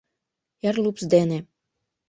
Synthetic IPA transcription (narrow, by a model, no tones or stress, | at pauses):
jærlupsd̪ene